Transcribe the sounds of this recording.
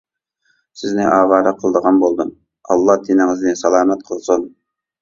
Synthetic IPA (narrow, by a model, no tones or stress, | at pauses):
sɪznɪʔɑːwɑːɾɑqʰəlˠd̪əʁɑnbolˠd̪un | ɑ̰lˠːɑhd̪ʰinɪŋɪznɪsɑlˠɑːmɛt̪̚qʰəlˠsun